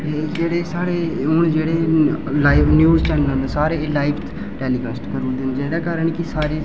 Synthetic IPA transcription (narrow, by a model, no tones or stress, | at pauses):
eːd͡ʒeːɽeːsaːɾeːʊːnd͡ʒeːɽeːlaːinjuːzt͡ʃɛːnəlõːnd̪aːsaːɾeːlaːɪbʰt̪ | ʈɛːliːɡəsʈkəɾuɾd̪ẽnd̪d͡ʒeːdaːkaːɾəɳkɪsaːɾeː